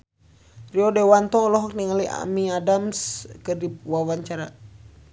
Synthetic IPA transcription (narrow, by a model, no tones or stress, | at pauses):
riɔdɛwant̪ɔlɔɦɔk̚niŋalia̰miadamskərdiwawaɲt͡ʃaɾa